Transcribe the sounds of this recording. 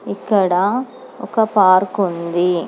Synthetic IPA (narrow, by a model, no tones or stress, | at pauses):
ɪkːɐɽãː | ɔ̰kːɐpaːɾkʊnd̪i